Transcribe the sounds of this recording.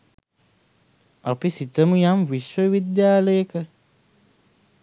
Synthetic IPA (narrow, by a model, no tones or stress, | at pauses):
apisit̪əmujamwiʃowid̪jaːlekə